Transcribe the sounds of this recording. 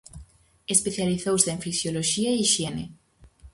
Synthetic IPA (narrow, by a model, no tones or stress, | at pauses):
espeθjaliθowseɱfisjoloʃiaiʃjene